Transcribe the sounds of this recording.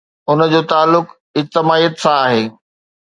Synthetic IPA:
ʊnd͡ʑoːt̪aːlːʊk | ɪd͡ʑt̪ɪmaːiːət̪sãaːɦeː

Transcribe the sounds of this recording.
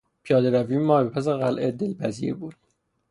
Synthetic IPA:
pʰijɒːd̪eɾæviːmɒːbepʰæs̬eɣælʔed̪elpʰæzibuːd̪̥̚

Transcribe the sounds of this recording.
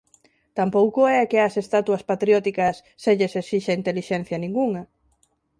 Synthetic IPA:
t̪ampowkoɛakeɐsest̪at̪wɐspat̪ɾjɔt̪ikɐsːeʎesesiʃɐint̪eliʃɛn̟θjɐnĩŋɡuŋɐ

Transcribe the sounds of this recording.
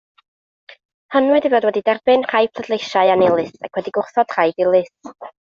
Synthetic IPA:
hənwɨdivoːdwɛdidɛrbɨnr̥ajpʰlˠədlˠejʃaɨanɪlˠɨsa̰kʰwɛdiɡʊrθɔd̥r̥ajdɪlˠɨs

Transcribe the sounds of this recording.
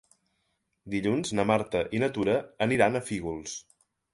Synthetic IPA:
d̪iʎunznəmaɾt̪əʔinət̪uɾəːniɾanəfiɣulˠs

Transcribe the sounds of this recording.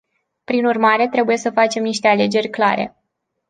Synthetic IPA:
pɾinurmaɾe̞t̪ɾe̞buje̞səfat͡ʃe̞mniʃt̪e̞ale̞d͡ʒe̞rʲklaɾe̞̰

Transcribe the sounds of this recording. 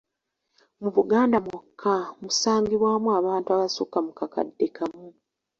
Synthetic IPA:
muβuɡaːndamwokʰːamusaːŋɡiβwaːmuaːβaːntuaβasokamukaka̰dːekamu

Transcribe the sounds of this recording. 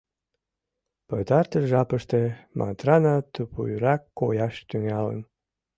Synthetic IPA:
pət̪ɑrt̪əʒɑpəʃt̪emʔɑ̰t̪ɾɑnɑt̪upṵjɾɑkːojɑʃt̪yŋɑlə̰n

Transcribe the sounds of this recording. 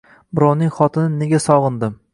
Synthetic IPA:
bʊɾɒwnɪŋχɒt̪ʰɪnɪne̞ɡʲasɒʁɨnd̪ɪm

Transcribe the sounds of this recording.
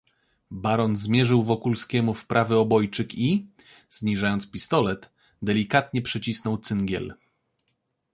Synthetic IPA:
baɾɔnzmʲjɛʐɘwvɔkulskʲɛmufpɾʔavɘɔbɔjt͡ʂɘki | z̥ɲiʐajɔnspʲist̪ɔlɛt̪ | d̪ɛlʲikat̪ɲɛpʂɛt͡ɕisnɔwt̪sɘŋɡʲjɛ̰l

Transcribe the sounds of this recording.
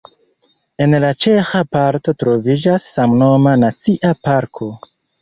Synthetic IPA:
e̞nlat͡ʃe̞xapaɾto̞tɾo̞vid͡ʒasːamno̞manat͡siʔapaɾkʰo̞

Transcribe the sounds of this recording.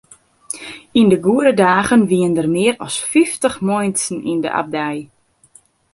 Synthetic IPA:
indəɡuədədaːɣənʋiəndərmɪəɾɔ̰sfiftəχmɔjnsn̩ḭndə̰ʔa̰b̚dɛj

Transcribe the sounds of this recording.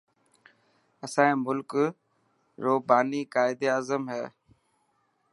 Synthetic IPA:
əsãːĩːmʊlk | ɾoːbaːniːkaːɪd̪eːaːzəmɦɛ̰ː

